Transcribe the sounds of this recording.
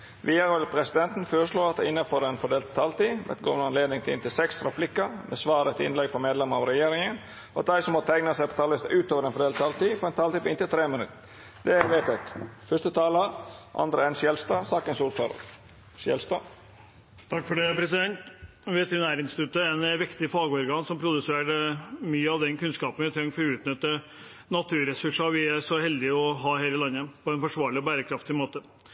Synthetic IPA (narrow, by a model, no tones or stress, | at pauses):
ʋiːæɾʋɛlpʰɾɛsɪd̪ɛnt̪n̩føːɾəʂɭoːɾɑt̪̚d̪æɪnːəfoːɾɛɪnfɔɖeːlt̪ʰːɑːlt̪iːʋʔɛ̰t̪ɡo̰ːʋnəɑnleːd̪nɪŋt̪ʰɪɪ̰nt̪ɪlsɛksɾɑpʰlɪkːəmʔḛsʋɑːɾəɛt̪ɪ̰nlɛɡfɾɑmeːd̪lɛməɑʋɾɛjeːɾɪŋən | ɔ̰ɑt̪d̪æɪsɔmot̪ʰæɪŋnəsæɪpʰot̪ʰɑːlɪst̪ɑʔʉːt̪oːʋəɾɛnfɔɖeːlt̪ʰːɑːlt̪iːfɔɾɛɪnt̪ʰɑːlt̪iːpoɪnt̪ɪlt̪ʰɾeːmənʉ̰t̪ | d̪̥ɛæɪʋeɪt̪ɛt̪fœst̪ət̪ʰɑːlɑʔɑ̰nd̪ɾəɛnsjɛlst̪ɑːsɑːkənsuːlst̪ɑ̰ːlɑ̰ | ʃjɛ̰lst̪ɑ̰ː | t̪ʰɑkːfɔɖeːpʰɾɛsɪd̪ɛnt̪ | ʋɛt̪ʰnæːɾɪnst̪ɪt̪ʰʉt̪ːəɛnʋɪkt̪ɪfɑːɡəɔɾɡɑnsɔmpʰɾʊd̪ʉseːɾmyːəɑʋd̪ɛnkʉnskɑːpənʋɪt̪ʰɾɛŋːfɔɾʉːt̪nʏt̪ːə | nɑt̪ʰʉːɾɛsʉʂɑʋɪæʂɔhɛld̪ɪɔɦɑːhæːɾɪlɑnːəpʰɔɛnfɔʂʋɑːɭɪɔbæːɾəkʰɾɑft̪ʰɪmoːt̪ə